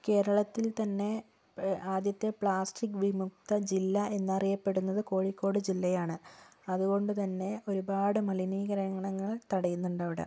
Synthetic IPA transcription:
ke̞ːɾɐɭɐt̪ːilt̪ɐnːe̞ | aːd̪jɐt̪ːe̞pɭaːsʈikːʋimuk̚t̪ɐd͡ʑilːɐe̞nːɐrijɐpːe̞ɽunːɐðɨko̞ːɻikːo̞ːɽɨd͡ʑilːɐjaːɳɨɐðuɣo̞ɳɖɨt̪ɐnːe̞o̞ɾubaːɽɨmɐliniːɣɐɾɐŋɐɳɐŋːɐɭt̪ɐɽɐjunːuɳɖaːʋiɽɐ̰m

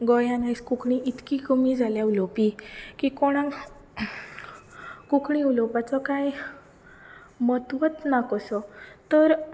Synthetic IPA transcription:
ɡɔjanajskukɳiʔit̪kiɡumid͡zʱaljaulopikikoɽ̃ã | kukɳĩulɔpat͡sɔkaj | mət̪ʋət̪nakɔsɔt̪əɾ

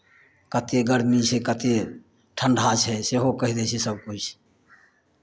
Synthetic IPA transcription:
kət̪eɡəɾmit͡ʃʰekət̪e | ʈʰəɳɖʱat͡ʃʰɛseɦokəɦid̪ɛt͡ʃʰɛsəb̚kut͡ʃʰ

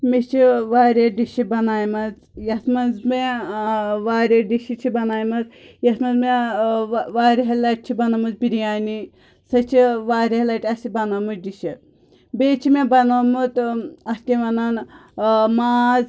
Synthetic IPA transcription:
mit͡ʃʰiʋaːɾʲeɖiʃibɐnaːjmɐz | jɐt̪ʰmɐnzme | ʋaːɾʲeɖiʃit͡ʃʰibɐnaːjmɐzjɐt̪mɐnzme | ʋaːɾʲiɦɐlɐʈ̚t͡ʃʰibɐnɐmuzbiɾijaːni | sɐt͡ʃʰiʋaːɾʲɦɐlɐʈʲiɐsibɐnoːmut͡ʃɖiʃi | beːt͡ʃʰimebɐnoːmut̪ɐstʲiʋɐnaːn | maːz

